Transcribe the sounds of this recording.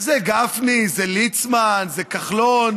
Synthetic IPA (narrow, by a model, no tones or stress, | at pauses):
zeɡafnizelit͡smanzekaχlon